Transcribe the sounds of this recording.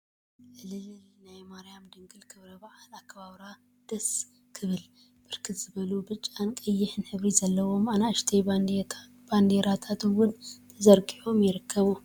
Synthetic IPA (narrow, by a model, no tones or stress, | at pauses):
ʔɨlɨlɨlnajmaɾijamd̪ɨŋɡɨlkʰɨβɾɐbɐʕalakʰːɐβaβɾa | d̪̥ɐs | kʰɨβɨl | b̥ɨɾkʰɨt̪z̥ɨβɐlubɨt͡ʃʼːankʼɐjːɪħɨnħɨβɾizɐlːɐwomanaʃt̪ʰej | b̥and̪eɾat̪ʰat̪wʊnt̪ʰɐzɐɾɡʼiħomjɪɾɨkʰːɐβu